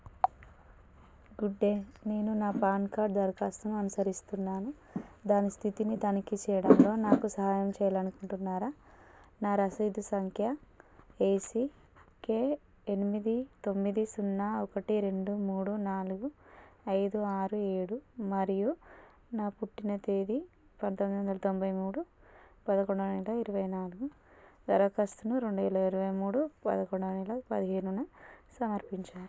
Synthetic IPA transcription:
ɡuɖːe̞ːne̞ːnunaːpaːnkaːɾɖd̪ɐɾkaːsɐmɐnusɐɾist̪unːaːnu | d̪aːnist̪ʰit̪init̪ɐnikit͡ʃɛːjɐɽɐnlo̞ːnaːkusɐɦaːjɐmt͡ʃɛːjɐlɐnukuɳʈunːaːɾaːnaːɾɐsɐjd̪usɐŋkʰjɐ | eːsi | ke̞ː | enimid̪it̪o̞mːid̪isunːaːɔkɐʈiɾe̞ɳɖumuːɽunaːluɡuɐjd̪uaːɾue̞ːɽumɐɾiju | naːpuʈːinɐt̪eːd̪i | pɐnt̪omid̪iʋɐnd̪ɐlɐt̪o̞mbɐjmuːɽupɐd̪ɐkoɳɖɐnɛlɐiɾuʋɐjnaːluɡu | d̪ɐɾɐkɐst̪unuɾe̞ɳɖuʋɛːlɐiɾuʋɐjmuːɽupɐ̰d̪ɐkoɳɖɐnɛlɐpɐd̪iɦeːnunɐsɐmɐɾpiɲt͡ʃaːɾu

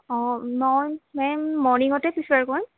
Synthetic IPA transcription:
ɔ̃nɔjmɛmɔɹniŋɡɔtɛpisaɹkɔjm

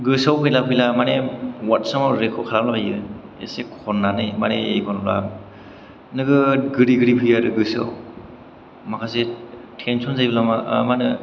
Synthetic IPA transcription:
ɡɯsawpʰɯjlapʰɯjlamanewatsɔmawɾekʰɔkʰaɾamlabajɯ | ḛsekʰɔnːanɯjma̰nḛḛjkʰɔnla̰ | nɯɡɯɡɯɾiɡɯɾipʰɯjaɾɯɡɯsa̰w | makʰasetʰensʰunzajbɯlamamanɯ

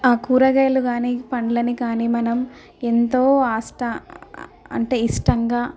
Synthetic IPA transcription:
aːkuːɾɐɡɐjɐluɡaːniːpɐɳɖlɐnikaːniːmɐnɐm | ent̪oːaːsʈɐ | ɐ̰ɳʈe̞ːisʈɐŋɡaː

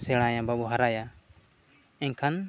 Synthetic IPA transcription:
sɛɽ̃ajababɔɦaɾaja | ɛɲkʰan

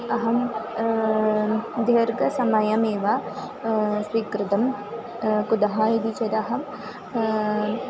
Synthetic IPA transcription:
ɐɦɐm | d̪ʱjɐɾɡɐsɐmɐjɐmeːʋa | sʋikɾɪt̪ɐm | kud̪ɐɦaːjid̪it͡ʃɐd̪ɐɦɐm

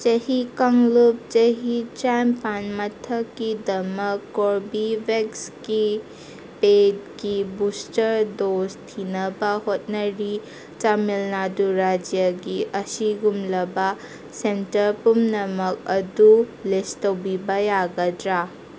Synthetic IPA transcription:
t͡ʃɐhikɐŋlup̚t͡ʃɐɦit͡ʃampanmɐtʰɐkːidɐmɐkːoɾbibeksɡi | ped̚ɡibustɐɾdostʰinɐbɐhot̚nɐɾi | t͡ʃamilnaduɾad͡ʒjaɡiʔɐsiɡumlɐbɐ | sentɐɾpumnɐmɐk̚ɐdulestɐwbibɐjaɡɐdɾa

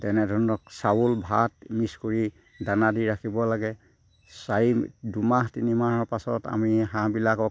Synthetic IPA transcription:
tɛnɛdʱɔɹɔnɔk̚sawulbʱatmiskoɹi | danadiɹakʰibɔlaɡɛ | saidumaɦtinimaɦɔɹpasɔ̰ta̰miɦãbilakɔk

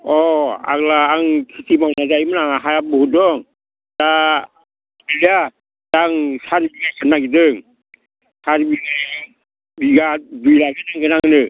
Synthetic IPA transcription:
ɔa̰ɡlaːŋkʰisʰimawnazajmɯnaŋaɦajabɯhudɔŋ | d̥a | bilija | d̥aŋsaɾbiɡakʰanːaɡidɯŋ | saɾbiŋa | biɡadujlaɡɯnaŋɡɯnaŋɯnɯ

